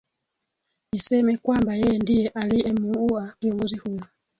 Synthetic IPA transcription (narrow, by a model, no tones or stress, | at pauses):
nisɛmɛkwambajɛjɛndijɛʔaliɛmuuakiɔŋɡɔzihujɔ